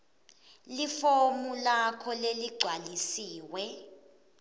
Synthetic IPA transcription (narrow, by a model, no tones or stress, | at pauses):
lifomulakʰɔleliɡ͡ǀʱwalisiːwɛ